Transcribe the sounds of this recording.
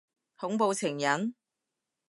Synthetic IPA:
hʊ˨˥ŋpo˨˧wt͡sʰɪ˨˩ŋjɐ˨˥n

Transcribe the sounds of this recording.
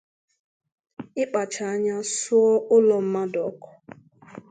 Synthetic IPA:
ɪ˦k͡pa˨t͡ʃa˨a˦ɲa˦sʊ˦ɔ˦ʊ˦lɔ˨m̩˦ma˦dɔ˨˦kɔ̥˨

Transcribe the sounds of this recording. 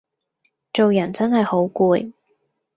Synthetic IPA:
t͡ʃo˨wjɐ˨˩nt͡sɐ˥nhɐ˨jho˨˥wkuː˧j

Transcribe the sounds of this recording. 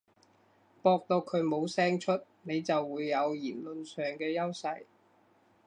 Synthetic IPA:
pɔː˧k̚t̪o˧wkʰɵ˨˧ɥmo˨˧wsɛː˥ŋt͡ʃʰɵ˥t̚ne˨˧jt͡sɐ˨wːuː˨˧jːɐ˨˧wjiː˨˩nlɵ˨nsœː˨ŋkɛː˧jɐ˥wsɐ˧j

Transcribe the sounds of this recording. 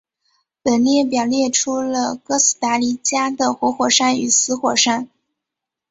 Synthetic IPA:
pə˨˩nljɛ˥˩p̬jɑ˨˩ʊljɛ˥˩ʈ͡ʂʰu˥lə˧kɤ˥s̩˧˥˩t̪a˧˥li˧˥t͡ɕja˥d̪ə˨xwɔ˧˥xwɔ˨˩ʂa˥ny˨˩sɹ̩˧˥xwɔ˨˩ʂa˥n

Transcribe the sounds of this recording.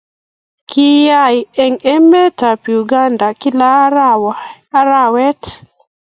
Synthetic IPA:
kʰiɪ˦ja˦jɛ˨ŋɛ˦mɛ˦ta˨pi˨uɡa˦nda˨ki˦la | a˦ɾawɛ˦t

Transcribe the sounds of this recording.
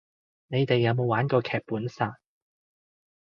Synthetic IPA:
ne˨˧jt̪e˨jːɐ˨˧wmo˨˧waː˨˥nkɔː˧kʰɛː˨˩k̚puː˨˥nsaː˨˩

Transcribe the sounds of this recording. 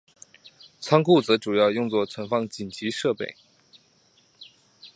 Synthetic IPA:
t͡sʰɑ˥ŋkʰu˥˩t͡sɤ˧˥ʈ͡ʂu˨˩jɑ˥˧ʊjʊ˥˧ŋt͡swɔ˥˩t͡sʰwə˧˥nfɑ˥ŋt͡ɕi˨˩nt͡ɕi˧˥ʂɤ˥˧pḛ˥˩ɪ

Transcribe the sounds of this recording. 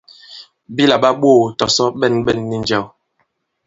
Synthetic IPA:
bi˦la˨ɓa˦ɓoː˦˨tɔ˨sɔ˦ɓɛ˦˨nɓɛ˦˨nːi˦n˦d͡ʒɛ˦˨w

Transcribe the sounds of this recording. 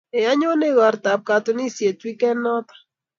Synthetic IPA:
e˨a˦ɲo˦ne˦ɣɔ˨ɾt̪a˨p̚ka˨to˨ni˦˨sje˨twi˦kɛ˦nːɔ˦t̪ḁ˨

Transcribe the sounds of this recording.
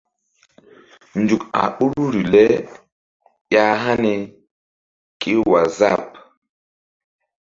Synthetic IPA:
nd͡ʒu˨ka̰˨ɓu˦ɾu˦ɾi˨lɛ˦ | ja˦ɦa˦ne˨ | kʰi˦wa˨za˦˨p̚

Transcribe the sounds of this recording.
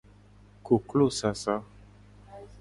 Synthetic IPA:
ko˨klo˦˨sa˨sa˦

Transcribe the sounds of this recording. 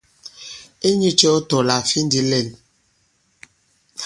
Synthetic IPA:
e˦ɲi˦t͡ʃɛ˦ɔ˦tɔ˨la˨fi˦n˦di˦lɛ˨l

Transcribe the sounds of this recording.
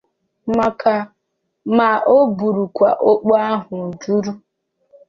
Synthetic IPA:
ma˨ka˨ | ma˨ʔo˦bu˨ɾu˨kʷa̰˨ʔo˦k͡po˦a˦ɦʊ˨n̩˨d͡ʒu˦ɾu˦

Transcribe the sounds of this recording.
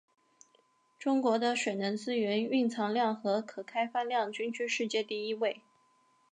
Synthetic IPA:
ʈ͡ʂʊ˥ŋkwɔ˧˥d̪ə˧ɕɥɛ˨˩nə˧˥nt͡sɹ̩˥ɥɛ˧˥ny˥˩ŋt͡sʰɑ˧˥ŋljɑ˥˩ŋxɤ˧˥kʰɤ˨˩kʰa˥ɪfa˥ljɑ˥˩ŋt͡ɕy˥nt͡ɕʰy˥ʂɻ̩˥˧t͡ɕjɛ˥˧t̪i˥˩i˥we˥˩ɪ

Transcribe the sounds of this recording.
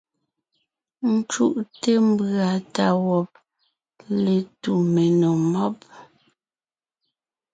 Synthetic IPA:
n̩˦t͡ʃu˦ʔte˦m̩˦˨bɰa˨ta˦˨wɔ˨p̚ | le˨tu˨me˨no˨mɔ˦p̚

